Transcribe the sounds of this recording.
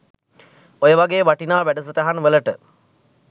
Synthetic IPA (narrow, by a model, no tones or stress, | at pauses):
ojəʋaɡeːʋaʈinaːʋæɖəs̬əʈəɦanʋələʈə